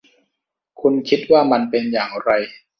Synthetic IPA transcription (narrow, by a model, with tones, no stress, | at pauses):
kʰu˧nkʰi˦˥t̪̚waː˥˩ma˧npe˧njaː˨˩ŋɾa˧j